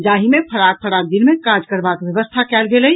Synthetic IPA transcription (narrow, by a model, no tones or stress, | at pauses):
d͡ʒaɦimepʰəɾak̚pʰəɾak̚d̪inmẽkaɾd͡ʒkəɾbakʋjəʋəst̪ʰakɛːlɡelə